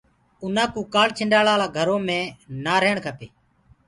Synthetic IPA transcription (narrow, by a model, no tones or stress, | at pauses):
ʊnãːkuːkaːɭt͡ʃʰɪɳɖaːlaːlaːɡʱəɾõːmẽːnaːɾeːɳkʰəp̪eː